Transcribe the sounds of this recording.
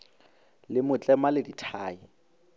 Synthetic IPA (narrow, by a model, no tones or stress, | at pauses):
lɪmʊt͡ɬʼɛmalɪditʰaːi